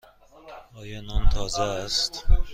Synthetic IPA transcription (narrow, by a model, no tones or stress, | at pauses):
ɒːjɒnɒnt̪ʰɒːzæːst̪